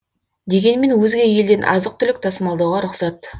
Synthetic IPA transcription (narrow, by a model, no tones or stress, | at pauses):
d̪e̞ɡʲe̞nme̞nwɵzɡʲe̞je̞ld̪e̞nʔɑ̰zəq̚t̪ʰʏlɪk̚t̪ʰɑsəmɑlˠd̪ɑwʁɑɾʊqsɑt̪